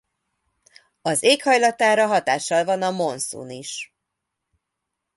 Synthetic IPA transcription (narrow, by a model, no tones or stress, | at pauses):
ɒzeːkhɒjlɒt̪aːɾɒɦɒt̪aːʃːɒlvɒnɒmo̞nsṵniʃ